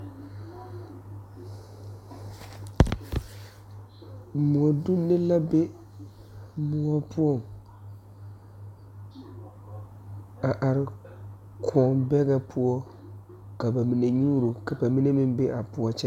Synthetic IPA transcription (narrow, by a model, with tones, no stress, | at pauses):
mu˨ɔ˨du˦nɪ˦la˦be˦ | mʊ˦ɔ˦pʰu˦ɔ˦˨ŋ | a˨ʔa˨ɾɪ˦ | kʰɔ˦ŋbɛ˦ɡa˦pʰʊ˦ɔ˦ | ka˨ba˨mi˨ne˨ɲuː˦ɾu˨ka˨ba˨mi˦ne˦mɪ˦m˦be˦ʔa˨pʊ˦ɔ˦t͡ʃɛ˦